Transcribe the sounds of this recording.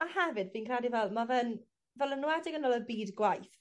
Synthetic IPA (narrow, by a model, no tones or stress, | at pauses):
ahɛvɨdbiːnkʰradivɛlˠmavɛn | vɛlˠənːʊwɛdɪɡənɔlˠəbiːdɡwajθ